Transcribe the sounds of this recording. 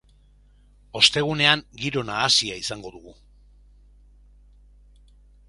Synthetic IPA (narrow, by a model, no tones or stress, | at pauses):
o̞st̪e̞ɣ̞une̞aŋɡiɾo̞naːsiaisaŋɡo̞ðuɣu